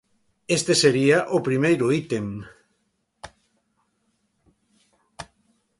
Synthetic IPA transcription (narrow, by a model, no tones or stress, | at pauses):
est̪eseɾiaʔopɾimejɾʊit̪em